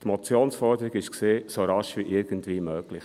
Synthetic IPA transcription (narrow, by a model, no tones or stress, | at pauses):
tmot͡sjoːnsfɔɾd̥̪əɾiɡɪʃkseːsoɾɑʃʋiʔɪɾɡ̥əntviːmøːɡ̥lɪx